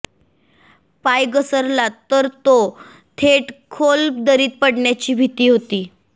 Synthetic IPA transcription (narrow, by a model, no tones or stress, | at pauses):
pajɡəsəɾlat̪ːəɾt̪o | t̪ʰeʈkʰolpd̪əɾiːt̪̚pəɽɳjat͡ɕiːbʱit̪iːɦot̪iː